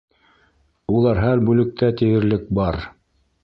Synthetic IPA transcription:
ulˠɑɾɦælbʉlɘ̆k̚t̪ʰæt̪ɘjɘ̆ɾlɘk̚bɑɾ

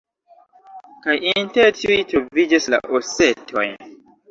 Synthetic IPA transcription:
kajʔinteɾtiujtɾovid͡ʒasla̰ʔosetʰo̞̰jn

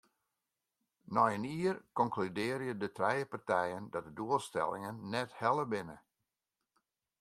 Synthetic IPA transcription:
nɔjəniːərkɔŋklydɪːɾjədətrɛjəpartɛjəndɔt̚dəduəlˠstɛ̰lˠɪ̰ŋənːɛthɛlˠəbɪnə

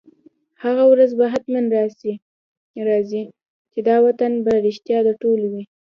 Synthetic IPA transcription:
haɣawɾazbaɦat̪manɾɑsi | ɾɑzi | t͡ʃed̪ɑwat̪anbaɾɪʃt̪jɑd̪aʈolwi

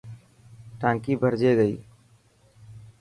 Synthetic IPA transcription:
ʈãːŋkiːbʱəɾd͡ʒeːɡəḭː

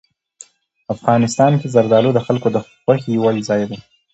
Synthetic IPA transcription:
afɣɑnɪst̪ɑnkezaɾd̪ɑlod̪əxalkod̪əxwaxejwɑjzɑjd̪a

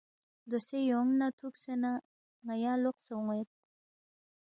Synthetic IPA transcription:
d̪osejoŋnat̪ʰuksena | ŋajɑloqsoŋet̪̚

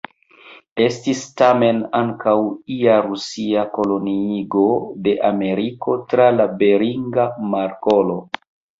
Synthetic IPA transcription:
e̞stistame̞naŋkʰawiaɾusiako̞lo̞niiɡo̞de̞ʔame̞ɾiko̞tɾalabe̞ɾiŋɡamaɾko̞lo̞

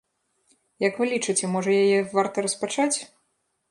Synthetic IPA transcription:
jɐkvɨlʲit͡ʂɨt͡sʲɛmɔʐɐjajɛvart̪ɐɾɐspat͡ʂat͡sʲ

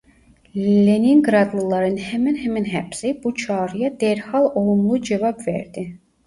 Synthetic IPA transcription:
lleniŋɡɾɑd̪lˠɯlˠɑɾɯnhæmænɦæminɦæbsib̥ut͡ʃʰɑːɾɯjɑd̪eɾhɑlˠo̞lˠumlˠud͡ʒevɑbvḛɾd̪i

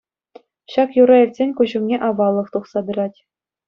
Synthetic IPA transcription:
ɕɑkjuɾɑĭrʲtʲsʲenʲkuʑŭmnʲeʔɑʋɑlˠːɤ̆χt̪uχsɑd̪ɤ̆ɾɑtʲ

